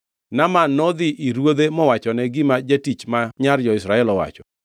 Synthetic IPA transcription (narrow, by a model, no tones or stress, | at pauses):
namanɔd̪ɪʔiɾwod̪emɔwat͡ʃɔnɛɡɪmad͡ʒatit͡ʃmaɲard͡ʒɔɪsɾaɛlɔwa̰t͡ʃɔ